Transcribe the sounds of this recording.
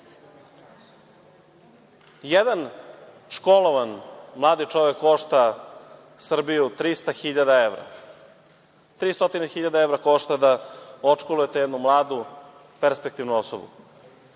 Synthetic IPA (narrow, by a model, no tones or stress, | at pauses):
jed̪an | ʃko̞lˠoʋanmlˠaːd̪it͡ʂoʋekːo̞ʃt̪a | sr̩bijut̪ɾist̪axiʎad̪aeʋɾa̰ | t̪ɾiːst̪o̞t̪inexiʎad̪aeʋɾako̞ʂt̪ad̪aot͡ʂkolujet̪jed̪numlˠaːd̪u | peɾspek̚t̪iʋnuoso̰bṵ